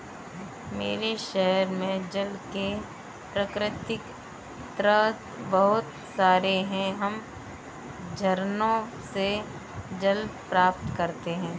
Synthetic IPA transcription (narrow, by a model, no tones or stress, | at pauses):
mḛːɾeʃɛɦəɾmẽd͡ʒɐlke | pɾəkɾɪt̪ɪk | t̪ɾət̪ | bɐɦʊt̪ | saːɾeɦɛ̃ɦɐm | d͡ʒʱɐɾnõ | se | d͡ʒɐld̪pɾaːpt̪kɐɾt̪eɦɛ̃ː